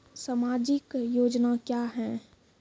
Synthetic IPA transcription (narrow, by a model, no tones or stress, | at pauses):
saːmaːd͡ʒɪkjoːd͡ʒnakjaːɦɛ̃